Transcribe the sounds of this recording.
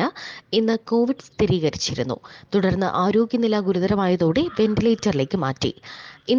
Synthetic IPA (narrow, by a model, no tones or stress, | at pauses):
ɐinːɨko̞ːʋiɖst̪iɾiːɣɐɾit͡ɕːiɾunːṵt̪uɽɐrnːɨ̰ʔaːɾo̞ːɡjɐnilːɐɡuɾuðɐɾɐmaːjɐðoːɽe̞ʋe̞nɖilejtːɐrile̞ːkːɨma̰ːtːḭin